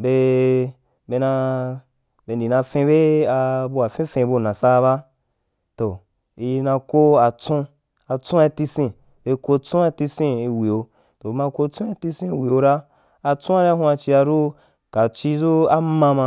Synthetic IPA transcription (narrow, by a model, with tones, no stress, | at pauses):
be˧ | be˧na˧ | be˧n˨di˨nã˧fẽ˧be˦a˧bu˧a˨fẽ˦fẽ˧bu˧˨nã˨sa˦˧βa˦ | to˨ | i˧nã˧ko˦a˨t͡sũ˦ | a˧t͡sũ˦a˧ti˧sĩ˧ | be˧ko˧t͡sũ˦a˧ti˧sĩ˦i˧wi˨o˧ | to˨˧mã˧ko˧t͡sũ˦a˧ti˧sĩ˦i˧wi˨o˧ɾa˦ | a˧t͡sũ˦a˦ɾa˦ũ˧˦a˧t͡ʃi˧a˧ɾu˦ | ka˨t͡ʃi˧zu˦a˦mã˧mã˧